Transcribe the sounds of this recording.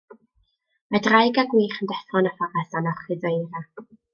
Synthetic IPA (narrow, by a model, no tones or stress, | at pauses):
madrajɡaɡwiːχəndɛθɔnafarasanɔχɨdejɾa